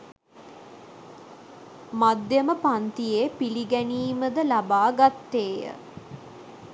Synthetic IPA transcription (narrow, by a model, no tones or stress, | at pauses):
mad̪jəməpant̪ijeːpiliɡæniːməd̪əlabaːɡat̪ːeːjə̰